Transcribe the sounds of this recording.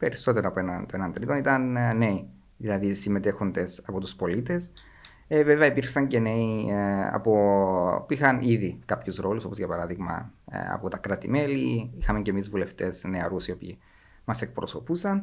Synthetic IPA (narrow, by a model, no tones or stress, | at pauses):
pe̞ɾiso̞t̪e̞ɾoɐpoenɐnt̪oenɐnt̪ɾit̪o̞nit̪ɐnːe̞i | ðilɐðisime̞t̪e̞xond̪e̞sɐpo̞t̪uspo̞lit̪e̞s | ve̞veɐipiɾxsɐɲce̞ne̞iɐ̰po̞puixɐniðikɐpçuzɾo̞luso̞pozʝɐpɐɾɐðiɣmɐ̰ɐ̰pot̪ɐkɾɐt̪ime̞liixɐme̞ɲcemizvule̞ft̪e̞sneɐɾusio̞pḭː | mɐse̞k̚pɾo̞so̞pusɐn